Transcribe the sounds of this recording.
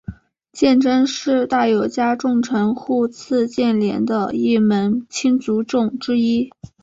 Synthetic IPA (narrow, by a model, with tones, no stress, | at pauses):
t͡ɕjɛ˥˩˧nʈ͡ʂə˥ŋʂɻ̩˥˧t̪a˥˩jo˨˩ʊt͡ɕja˥ʈ͡ʂʊ˥˩ŋʈ͡ʂʰə˧˥ŋxu˥˧t͡sʰɹ̩˥˧t͡ɕjɛ˥˩nljɛ̰˧˥nd̪ə˧i˥˩mə˧˥nt͡ɕʰi˥nt͡su˧˥ʈ͡ʂʊ˥˩ŋʈ͡ʂɻ̩˥i˥